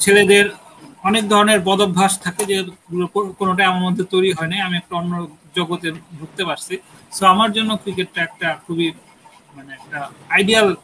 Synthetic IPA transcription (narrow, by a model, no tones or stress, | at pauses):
t͡ɕʰeled̪eɾ | ɔnek̚d̪ʱɔɾoneɾbɔd̪obbʱaʃt̪ʰaked͡ʑeokonoʈaamaɾmod̪ʱːet̪ojɾiɦɔeniamiɛk̚ʈaonːooɡ | d͡ʑɔɡot̪ebʱuk̚t̪epaɾsʰisoamaɾd͡ʑonːokɾikeʈ̚ːaɛk̚ʈakʰubi | maneɛk̚ʈaajɖial